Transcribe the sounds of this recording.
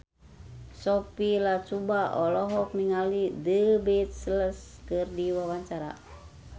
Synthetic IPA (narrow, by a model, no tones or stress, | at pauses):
sɔpilat͡ʃubaʔɔlɔɦɔk̚niŋalidəbet̪̚sələskɨrdiwawaɲt͡ʃaɾa̰